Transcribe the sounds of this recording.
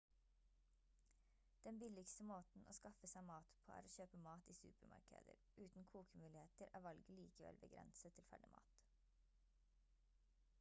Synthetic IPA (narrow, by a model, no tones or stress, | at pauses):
d̪̥ɛnbɪlɪkst̪əmoːt̪n̩ʔo̰ːskɑfəsæɪmɑːt̪pʰoːæ̰ːɾoːçøːpəmɑːt̪iːsʉ̰ːpəɾmɑ̰ɾkʰḛːd̪ə̰ɾʔʉːt̪n̩kʰuːkəmʉːlɪheːt̪əɾʔæːʋɑlɡəliːkəʋɛ̰lbəɡɾɛ̰nsət̪ʰːɪlfæɖɪmʔɑ̰ːt̪